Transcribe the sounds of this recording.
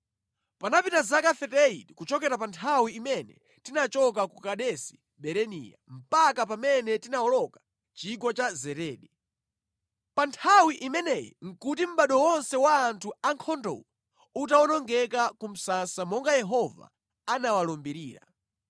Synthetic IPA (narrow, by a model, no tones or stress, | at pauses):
panapitazakafɛtɛitikut͡ʃɔkɛɾapantʰawiimɛnɛ | tinat͡ʃɔk̬akukaɗɛsi̥ | ɓɛɾɛnḭːja̰m̩pakap̬amɛnɛtinaɔlɔkḁ | t͡ʃik̬ɔt͡ʃazɛɾɛːɗɛ | pantʰawiʔimɛnɛjḭŋ̩kutim̩ɓaɗɔwɔnsɛwaːntʰuaŋkʰɔndɔ̰wɔ | utawɔnɔŋɡɛkakum̩sasamɔŋɡajɛɦɔva̰ | anawalɔmbiɾḭːɾa̰